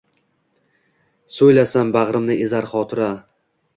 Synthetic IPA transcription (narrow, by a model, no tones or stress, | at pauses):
sojlasanbaʁɾɪmnɪʔezaɾχɒt̪ʰʊɾa